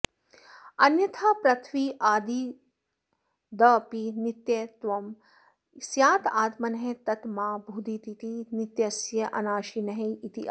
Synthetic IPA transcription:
ɐnjɐt̪ʰaːpɾɐt̪ʰʋiːʔaːd̪i | d̪ɐːpinit̪jɐt̪ʋɐm | sjaːt̪aːt̪mɐnɐɦẽt̪ɐt̪maːbʱuːd̪it̪it̪init̪jɐsjɐʔɐnaːʃinɐɦeit̪i

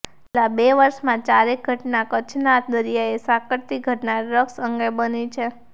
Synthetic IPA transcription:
labeʋəɾʃmãt͡ʃaɾek̚ɡʱəʈnakət͡ʃʰnat̪̚d̪əɾijaesakəɽt̪iɡʱəʈnaɾəksəŋɡebənit͡ʃʰe

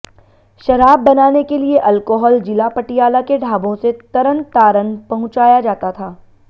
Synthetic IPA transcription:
ʃɐɾaːbːɐnaːnekelieʔɐlkoːɦɔːld͡ʒɪlapɐʈijaːlakeɖʱaːbõset̪ɐɾənt̪aːɾənpɐɦʊ̃t͡ʃaːjad͡ʒaːt̪at̪ʰaː

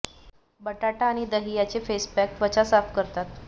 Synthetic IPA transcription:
bəʈaʈaːɽ̃id̪əɦijat͡sefespæk̚ʋət͡ɕasafkəɾt̪at̪

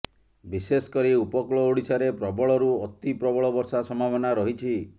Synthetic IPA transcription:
bisesɔ̥kɔɾiupɔkɭɔoɽisaɾepɾɔbɔɭɔɾuɔt̪ipɾɔbɔɭɔbɔɾsasɔmabɔnaɾɔɦit͡ʃʰi

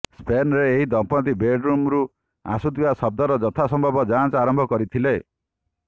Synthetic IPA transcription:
spenɔɾeːɦid̪ɔmpɔt̪ibeɖɾumɾu | a̰sud̪ibasɔb̚d̪ɔɾɔd͡ʒɔt̪ʰasɔmbʱɔbɔd͡ʒant͡ʃaɾɔmbʱɔkɔɾit̪ʰile

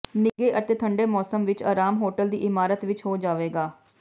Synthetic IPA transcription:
nɪɡeːʔət̪eːt̪ʰəɳɖeːmɔːsəmʋɪt͡ʃa̰ːɾaːmɦoːʈəld̪iːʔɪmaːɾət̪ʋɪt͡ʃɦoːd͡ʒaːʋeːɡaː

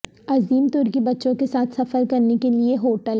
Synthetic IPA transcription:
ɐziːmt̪ʊɾkibɐtːʃõkesaːt̪ʰsɐfəɾkɐɾnekelieɦoːʈəl

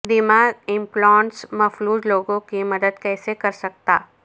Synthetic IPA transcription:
d̪ɪmaːɪ̃mplɔːnsmɐfluːd͡ʒloːɡõkimɐd̪əd̪kɛːsekɐɾsɐk̚t̪aː

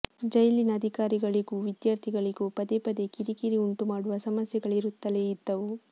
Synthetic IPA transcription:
d͡ʒɐjlinɐːd̪ʱikaːɾiɡɐɭiɡuːʋid̪jaːɾt̪ʰiɡɐɭiɡuːpɐd̪epɐd̪ekiɾikiɾiuɳʈumaːɽuʋɐsɐmɐsjɐɡɐɭiɾut̪ːɐleːid̪ːɐʋu

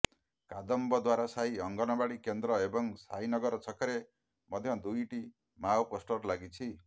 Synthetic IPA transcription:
kad̪ɔmbɔd̪waɾasaɦiʌŋɡɔnɔbaɽikend̪ɾɔebɔŋsainʌɡʌɾt͡sʰʌkaɾe | mʌd̪ʱjʌ̃d̪ujʈi | mawposʈɔɾlaɡit͡sʰi

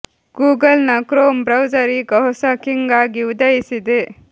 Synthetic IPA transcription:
ɡ̥uːɡɐlnɐkɾoːmbɾɐwd͡ʒɐɾiɡɐɦsɐkiŋɡaːɡiud̪ɐjisid̪e

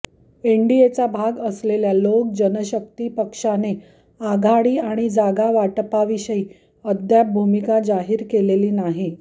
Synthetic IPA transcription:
eɳɖiet͡sabʱaɡəsleljalok̚d͡ʑənəɕək̚t̪iːpəkʂane | aɡʱaɽiːaɽ̃id͡zaɡaʋaʈpaʋiɕəiː | əd̪jabʱumikad͡zaɦiːɾkeleliːnaɦi

